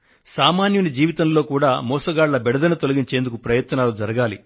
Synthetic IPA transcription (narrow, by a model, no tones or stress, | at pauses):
saːmaːnjunid͡ʒiːʋit̪ɐmlo̞ːkuːɽaːmɔːsɐɡaːɽlɐbɛɽɐd̪ɐnɐt̪olɐɡiɲt͡ʃe̞ːnd̪ukupɾɐjɐt̪nɐnaːlud͡ʒɐɾɐɡaːlḭ